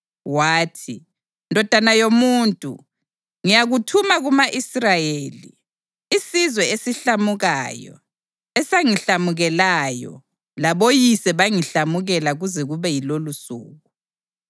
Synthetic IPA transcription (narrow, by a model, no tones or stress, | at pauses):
waːtʰi | ndʱɔd̥ʱanajomuːntʼṵ | ŋijaɣutʰumaɣumaʔisrajeːlḭ | isizwɛesiɬamuɣajɔ̰ | ɛsaŋiɬamuɣɛlajɔ̰ | laβojisɛβaŋiɬamuɣɛlaɣuzɛɣuβɛjilolusṵːɣu